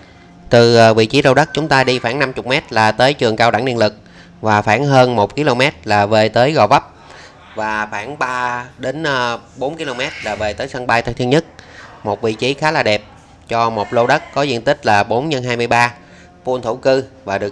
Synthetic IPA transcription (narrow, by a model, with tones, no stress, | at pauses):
t̪ɨ˨˩ʔəː˨˧vḭ˧˨t͡ɕi˨˦zo˧wɗə˦˥k̚t͡ɕʊ˨˦ŋ͡mt̪aː˧ɗi˧xaː˧˩ŋna˧mt͡ɕʊ˨˩k͡p̚mɛ˦˥t̚laː˨˩t̪əː˨˦jt͡ɕɨ˨˩əŋkaː˧wɗa˧˩ŋni˧ənlɨ˨˩k̚ | vaː˨˩faː˧˩ŋɦəː˧nmo˨˩t̚ki˧lo˧mɛ˦˥t̚laː˨˩ve˨˩t̪əː˨˦jɣɔ˨˩və˦˥p̚ | vaː˨˩xwaː˧˩ŋɓaː˧ɗe˨˦nʔɓo˨˦nki˧lo˧mɛ˦˥t̚laː˨˩ve˨˩t̪əː˨˦jsa˧ŋɓaː˧jt̪ʰa˧˩nt̪ʰi˧ənɲə˦˥t̚mo˨˩t̚vḭ˧˨t͡ɕi˨˦xaː˨˦laː˨˩ɗɛ˨˩p̚ | t͡ɕɔ˧mo˨˩t̚lo˧wɗə˦˥t̚kɔ˨˦zḭ˧˨ənt̪ï˦˥k̟̚laː˨˩ɓo˨˦nɲə˧nɦaː˧jmɨ˧jɓaː˧ | pu˧ənt̪ʰu˧˩kɨ˧vaː˨˩ɗɨ˨˩ə